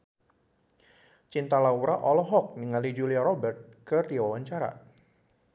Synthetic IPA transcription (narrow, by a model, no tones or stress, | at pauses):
t͡ʃint̪alauɾaʔɔlɔɦɔk̚niŋalid͡ʒuliaɾɔbɛrt̪̚kərdiwawaɲt͡ʃaɾa̰